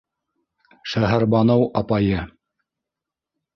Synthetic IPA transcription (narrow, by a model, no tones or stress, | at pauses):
ʃæɦæɾbɑnowʔɑpɑjɤ